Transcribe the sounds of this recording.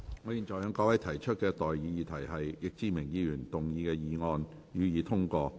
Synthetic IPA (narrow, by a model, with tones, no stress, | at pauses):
ŋɔː˨˥jiː˨nt͡ʃɔː˨jœ˨˧˥ŋkɔː˧˥wɐ˨˥jt̪ʰɐ˨˩jt͡ʃʰɵ˥t̚kɛː˧t̪ɔː˨jjiː˨˧jiː˨t̪ʰɐ˨˩jɦɐ˨jjɪ˨k̚t͡siː˧mɪ˨˩ŋjiː˧jyː˨˩nt̪ʊ˨ŋjiː˨˧kɛː˧jiː˨ŋɔː˧n | ɥyː˨˧jiː˨˧t̪ʰʊ˥ŋkɔː˧